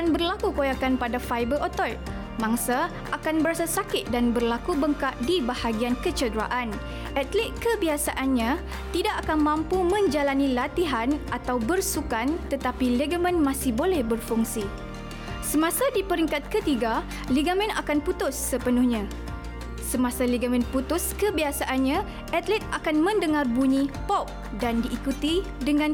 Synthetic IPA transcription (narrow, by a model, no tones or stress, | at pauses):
anbərlakukojakanpadafajbəʔot̪ɔt̪̚ | mãŋsa | akanbəɾasasakɪt̪̚danbərlakubəŋkaʔdibahaɡiankət͡ʃədɾa̰ʔan | ʔat̪lɛt̪̚kəbiasaʔanɲã | t̪idaʔakanmãmpumə̃ɲd͡ʒalanĩlat̪iɦanʔat̪awbərsukant̪ət̪apilɛɡəmə̃nmãsɪhbolɛhbərfuŋsi | səmãsadipəɾiŋkat̪̚kət̪iɡa | liɡamɛ̃nakanput̪ʊsːəpənʊhɲã | səmãsaliɡamɛ̃nput̪ʊskəbiasaʔanɲã | ʔɛt̪lɛt̪̚akanmə̃ndəŋarbuɲĩpɔp̚ | dandiʔːkut̪i | dəŋãn